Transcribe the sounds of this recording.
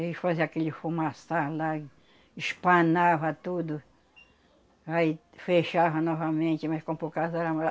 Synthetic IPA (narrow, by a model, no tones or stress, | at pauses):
eifaziakelɪfumasaɾla | iʃpãnavɐt̪ud̪ʊ | ai | feʃavɐnɔvɐmẽnt͡ʃ̪ɪmɐskõpokazɔɾɐm